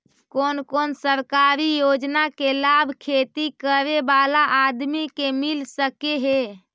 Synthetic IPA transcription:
konkonsəɾkaɾijod͡ʒnakelabʱkʰet̪ikəɾebalaʔːd̪mikemilsəkeɦe

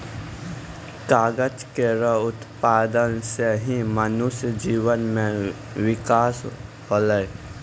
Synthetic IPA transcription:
kaːɡət͡ʃkeɾəɦʊt̪paːd̪ənseɦimənʊʃjd͡ʒiːʋənmẽ | wɪkaːs | hoːləj

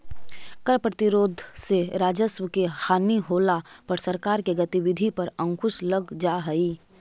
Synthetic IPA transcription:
kəɾpɾət̪ɪɾoːd̪ʱseɾaːd͡ʒəswəkehaːniɦoːlapɐɾsɐɾkaːɾkeɡət̪iwɪd̪ʱipɐɾə̃ŋkʰʊʃləɡd͡ʒaːɦɛi

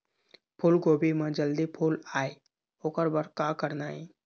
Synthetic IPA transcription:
pʰʊlɡoːbimẽd͡ʒəld̪ipʰulaːe | oːkəɾbəɾkakəɾnaːḭ

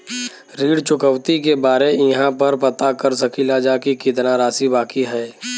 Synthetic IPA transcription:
ɾiːɽt͡ʃʊkəʊt̪ikebaːɾeɪɦãpəɾpɐt̪akəɾsəkʰilad͡ʒaːkikit̪naɾaːsibaːkiɦɛː

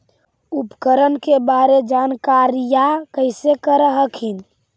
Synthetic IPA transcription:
upkəɾənkebaɾed͡ʒankaɾijakəɪsekəɾəɦəkɦin

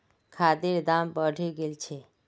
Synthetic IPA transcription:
kʰaːd̪eɾd̪aːmbəɖʱeɡelt͡ʃʰe

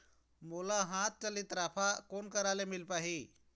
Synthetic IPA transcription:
molaɦãt̪̚t͡ʃəlit̪ɾaːpʰakoːnkəɾalemilpaːɦi

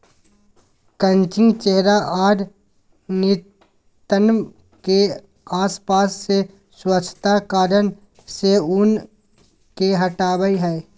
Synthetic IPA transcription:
kə̃nt͡ʃɪ̃ŋɡt͡ʃeɦɾaaːɾ | nɪ | t̪ənm | ke | aːspaːsːe | swət͡ʃʰːə̥t̪akaːɾən | seʊn | keɦɐʈaːwəiɦɛː

